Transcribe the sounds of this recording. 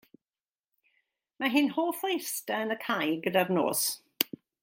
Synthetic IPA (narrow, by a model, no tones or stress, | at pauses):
maɦɪnhoːfojstaənəkʰajɡədadno̰ːs